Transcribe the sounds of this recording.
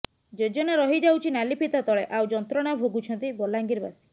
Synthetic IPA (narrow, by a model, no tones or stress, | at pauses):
d͡ʒed͡ʒɔneɾɔɦid͡ʒawt͡ʃʰinalipʰit̪at̪ɔɭeʔawd͡ʒɔnt̪ɾɔɽ̃abʱoɡut͡ʃʰɔnt̪ibɔlaŋɡiɾba̰si̥